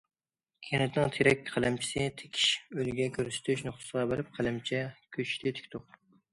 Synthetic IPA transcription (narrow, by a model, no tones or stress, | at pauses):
kʲʰenɪt̪nɨŋt̪ʰeɾɛk̚ʲqʰælɛmt͡ʃʰi̥sɪt̪ʰe̥kʲʰi̥ʃølɡʲɛkʲʰøɾsɪ̥t̪ʰyʃnoχt̪ʊ̥səʁɑbɪɾɪp̚qʰælɛmt͡ʃʰɛkʲʰøt͡ʃʰt̪ʰɪt̪ʰɪ̥kʲt̪ʰʊq